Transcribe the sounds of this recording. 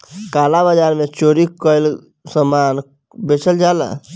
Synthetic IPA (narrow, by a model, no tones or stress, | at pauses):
kalabad͡ʒaɾmet͡ʃoɾikəl | səman | bet͡ʃʰəld͡ʒalə̰